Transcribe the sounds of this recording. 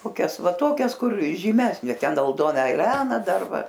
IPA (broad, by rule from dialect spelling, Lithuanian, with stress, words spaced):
koːˈkʲɛs ˈʋɐ ˈtoːkʲɛs ˈkʊr ʒʲiːˈmʲæːsʲnʲeː ˈtʲɛn ɐlˠˈdoːnɐ ɛˈlʲæːnɐ ˈdɐr ˈʋɐ